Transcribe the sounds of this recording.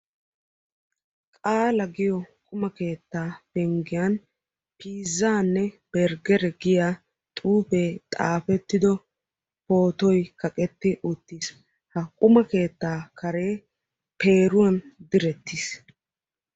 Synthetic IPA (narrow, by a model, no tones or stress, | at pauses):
kʼaːlɐɡɪjɔkʼʊmɐke̞ːt̪ːaːbɛŋɡɪjan | piːzːaːnːɛb̥ɛɾɡɛɾɛɡɪjaː | t̪ʼuːpeːt̪ʼa̰ːfɛt̪ːɪd̪ɔ | po̞ːt̪ɔjkɐkʼɛt̪ːɪʔʊt̪ːiːs | hɐkʼʊmɐke̞ːt̪ːaːkɐɾe̞ː | pe̞ːɾʊwɐnd̪ɪɾɛt̪ːis